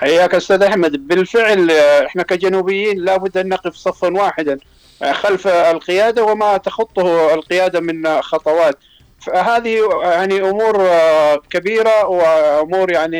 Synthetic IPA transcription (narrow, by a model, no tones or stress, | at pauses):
ħajːaːkʔʊst̪aːd̪ʔaħmad̪bɪlfɪʕlʔɪħnakad͡ʒanuːbɪjːiːnlaːbʊd̪ːʔanːɑqɪfsˤɑfːɑnwaːħɪd̪a | xalflqɪjaːd̪awɪmat̪axʊt̪ˤːʊhɪlqɪjaːd̪amɪnxɑt̪ˤɑwɑːt̪̚ | faɦaːðijaʕniʔʊmuːɾkabiːɾawɪʔʊmuːɾjaʕni